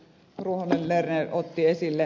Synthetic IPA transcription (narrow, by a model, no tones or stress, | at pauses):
ruohonellerneʔot̪ːiesilːe